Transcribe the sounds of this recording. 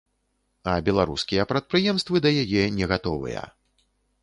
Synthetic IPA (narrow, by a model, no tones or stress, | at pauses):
ɐbʲɛlˠaɾṵskʲijɐpɾɐt̪̚pɾɨjɛmst̪vɨd̪ɐjajɛnʲɛɣat̪ɔvɨ̰jɐ̰